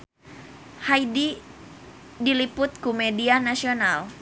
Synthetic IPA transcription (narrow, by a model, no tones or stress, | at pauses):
haidi | dilipʊt̪̚kumɛdianasional